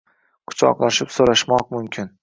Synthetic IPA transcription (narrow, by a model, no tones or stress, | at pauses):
qʰʊ̥t͡ʃʰɒ̰qlˠaʃɪpsoɾaʃmɒq̚mʊmkʲʰɪn